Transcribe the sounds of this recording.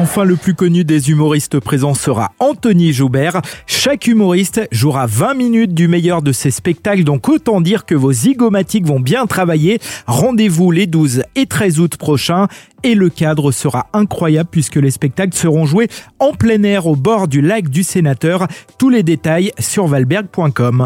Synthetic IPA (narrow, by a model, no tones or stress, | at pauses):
ɑ̃fɛ̃ləplykɔnyd̪ezymɔʁist̪əpχezɑ̃səʁa̰ɑ̃t̪ɔniʒubɛʁʃakymɔʁist̪ʒuʁavɛ̃minyt̪̚d̪ymejœʁd̪əsespɛk̚t̪akld̪ɔ̃kot̪ɑ̃d̪iʁkəvoziɡɔmat̪ikvɔ̃bjɛ̃t̪χavajeʁɑ̃d̪evuled̪uzet̪χɛzut̪pχɔʃɛ̃eləkad̪ʁəsəʁaɛ̃kχwajabləpɥiskəlespɛk̚t̪aklsəʁɔ̃ʒweɑ̃plɛnɛʁobɔʁd̪ylakd̪ysenat̪œʁt̪uled̪et̪ajsyʁvalbɛʁɡ̚pwɛ̃kɔm